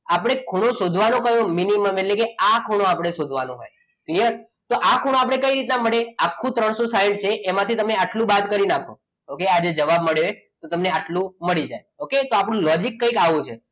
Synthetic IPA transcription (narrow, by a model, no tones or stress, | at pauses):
apɽ̃ekʰuɽ̃õsod̪ʱʋanõkəjõminiməmelekeakʰuɽ̃õapɽ̃esod̪ʱʋanũɦo̰j | klijəɾ | t̪oʔakʰuɽ̃õap̬ɽ̃ekəiɾit̪̬naməɭeakʰːũt̪ɾəɳ̃sosaĩɳɖ̚t͡ʃʰeʔːmãt̪ʰit̪əmneaʈlũbad̪kəɾinakʰo̰ | okead͡ʒed͡ʒəʋabməɭee | t̪ot̪əmneaʈlũməɭid͡ʒa̰j | oket̪oapɽ̃ũlɔd͡ʒikːəikaʋũt͡ʃʰḛ